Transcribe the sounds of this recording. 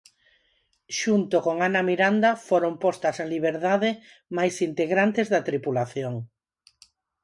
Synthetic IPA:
ʃunt̪okoŋanamiɾand̪afoɾompɔst̪ɐseliβ̞eɾðaðe | majsint̪eɣɾant̪ezðɐt̪ɾipulaθjoŋ

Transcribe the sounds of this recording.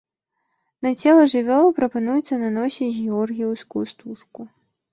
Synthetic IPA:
nɐt͡sʲɛlˠɐʐɨvʲɔlˠɐpɾɐpanujɛt̪sːɐnanɔsʲiɣʲɛɔrɣʲijwskuust̪uʂku

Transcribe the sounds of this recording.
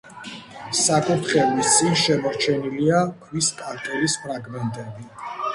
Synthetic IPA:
sakʼut̪ʰχɛlist̪sʼinʃɛmɔɾt͡ʃʰɛniliakʰviskʼaɾkʼɛlispʰɾaɡmɛnt̪ʼɛbi

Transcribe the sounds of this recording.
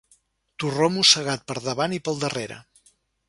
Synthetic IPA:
t̪uromusəɣat̪̚pəɾðəβanipəlˠd̪əreɾə̰

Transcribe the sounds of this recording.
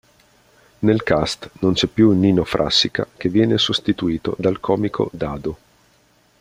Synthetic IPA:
nelkast̪nont͡ʃɛpːjuninofɾʔa̰sːika̰k̟evːjɛːnesost̪it̪uiːt̪o̰d̪alkʰɔːmikʰo̰d̪aːd̪o

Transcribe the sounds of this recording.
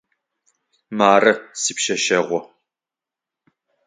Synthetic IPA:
maːrɐsipʃɐʃɐʁʷɔ

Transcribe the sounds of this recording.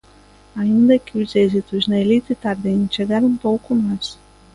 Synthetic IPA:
ɐĩnd̪ɐkɪʊzezit̪ʊznɐelit̪ɪt̪aɾd̪ẽʃeɡaɾɐ̃w̃powkʊmajs

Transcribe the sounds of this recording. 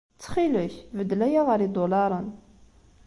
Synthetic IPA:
t͡sːə̥χiləçvəd̪læjaʁəɾid̪olɑɾˤən

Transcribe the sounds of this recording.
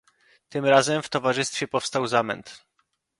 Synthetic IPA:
t̪ɘmɾazɛmft̪ɔvaʐɘst̪fʲjɛpɔfst̪awzamɛ̰nt̪

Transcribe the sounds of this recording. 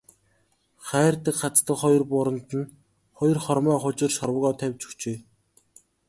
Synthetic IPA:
χæːrt̪ə̆kχat͡st̪ə̆kχɔj̆rpʊɾə̆nt̪ə̆n | χɔjɞ̆rχɔrmæːχʊt͡ɕɪ̆rʃɔrwəɣɔːt̪ʰæwʲt͡ɕɵ̥xt͡ɕeː

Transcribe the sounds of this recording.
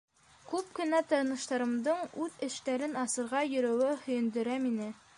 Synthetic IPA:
kʉp̚kɘ̆næt̪ɤ̆ɾnɤ̆ʃt̪ɑɾɤ̆md̪ɤɴʉðɘ̆ʃt̪æɾɘnɑsɤ̆ɾʁɑjɵ̆ɾæwɘhɵ̆jɘ̆nd̪ɵ̆ɾæminɘ

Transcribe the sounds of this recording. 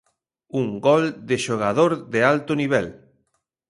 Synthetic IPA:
uŋɡɔld̪eʃoɣ̞aðoɾðealt̪oniβ̞ɛl

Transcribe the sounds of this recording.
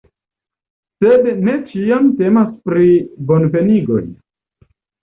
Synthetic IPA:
sed̪ne̞t͡ʃiamtemaspɾibonpe̞niɡo̞̰j

